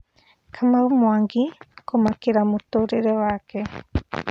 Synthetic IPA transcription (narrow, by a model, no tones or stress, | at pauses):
kʰamaumwaŋɡikomakiɾamut̪uɾiɾewake